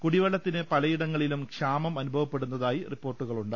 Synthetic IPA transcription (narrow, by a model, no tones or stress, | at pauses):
kuɽiʋɐɭːɐt̪ːinɨpɐlɐjiɽɐŋːɐɭilumkʂaːmɐmɐnubʱɐʋɐpːeɽunːɐðaːjiripːo̞ːrʈːuɣɐɭuɳɖɨ